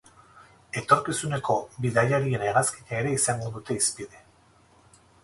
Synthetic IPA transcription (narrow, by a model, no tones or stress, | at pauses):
e̞t̪o̞ɾkisune̞ko̞biðajaɾie̞neɣaski̥ɲaeɾe̞isaŋɡoðut̪e̞ispiðe̞